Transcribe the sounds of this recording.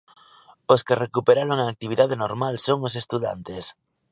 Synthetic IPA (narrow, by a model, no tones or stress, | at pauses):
oskerekupeɾaɾoŋaːk̚t̪iβ̞iðaðenoɾmalsoŋos̬est̪uða̰nt̪es